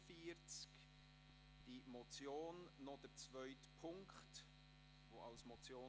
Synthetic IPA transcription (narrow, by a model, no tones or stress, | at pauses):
fiːɾt͡sk | d̥imɔt͡sjoːnːɔd̥əɾt͡svœʏtpʰʊŋkχt | voalsmɔt͡sjoː